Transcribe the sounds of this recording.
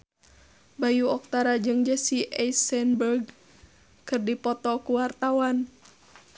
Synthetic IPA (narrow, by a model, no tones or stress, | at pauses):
bajuɔk̚t̪aɾad͡ʒɨŋd͡ʒəsiʔɛsɛnbərɡ | kɨrdipɔt̪ɔkuwart̪awan